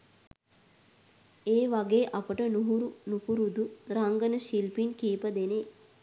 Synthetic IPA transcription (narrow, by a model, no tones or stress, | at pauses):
eːʋaɡeːʔapəʈənuɦuɾunupuɾud̪uɾaŋɡənəʃilpinkiːpəd̪ene